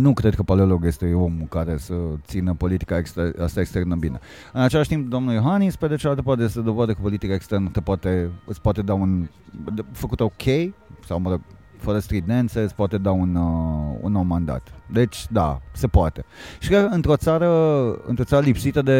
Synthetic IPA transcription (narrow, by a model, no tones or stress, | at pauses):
nukɾed̪̚kəpaleloɡjest̪eo̞mukaɾe̞sət̪sinəpo̞lit̪i̥kaekst̪east̪aekst̪e̞rnəbine | ɨnat͡ʃelaʃt̪imp̚d̪omnuljoɦanisped̪et͡ʃelalt̪əpart̪ejest̪ed̪ovad̪əkəpo̞lit̪ikaekst̪ernəsəpoat̪e̞ɨ̰t̪spoat̪ed̪aun | d̪fəkut̪eokʲʰejsawməɾə | fəɾəst̪ɾid̪nent̪seɨt̪spoat̪e̞d̪aunṵnːowmːand̪a̰t̪d̪e̞t͡ʃʲd̪a̰se̞poat̪e̞ʃi̥kɾeəɨnt̪ɾo̞t̪saɾəɨ̰nt̪ɾosaɾəlipsit̪əd̪e̞